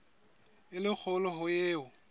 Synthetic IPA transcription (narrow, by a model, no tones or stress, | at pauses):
ɪlɪk͡xʰɔlɔɦʊjeːʊ